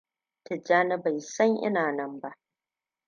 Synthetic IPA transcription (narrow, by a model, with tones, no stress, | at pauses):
tɪ˨d͡ʒaː˦nɐ˦ba˨jsɐ˦ŋʔɪ̰˦naː˨nɐ˦mba˦ʔ